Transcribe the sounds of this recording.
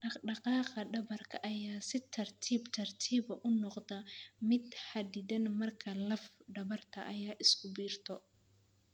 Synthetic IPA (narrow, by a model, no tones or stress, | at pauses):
ɖɑqɑːqɐɖɐβɐrkʰɐʔɐjaːsɪt̪ʰɐrt̪ʰiːbt̪ʰɐrt̪ʰiːβɐʔʊnɔqd̪ɐmɪd̪ħɐd̪ɪðɐnmɐrkʰɐlɐfɖɐβɐrt̪ʰɐʔɐjaːʔɪskʰʊbiːrt̪ʰɔ